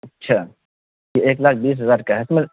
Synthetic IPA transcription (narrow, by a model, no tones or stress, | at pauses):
ɐtːʃʰaː | jeeːklaːk̚ʰbiːs̬ɦɐzaːɾkɐɦɛsɐməd͡ʒ